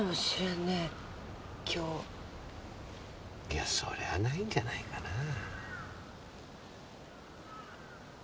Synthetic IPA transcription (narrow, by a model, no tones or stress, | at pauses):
oɕiɾane | kʲʰoː | jaso̰ɾḛβanaĩɲ̟d͡ʑanaikana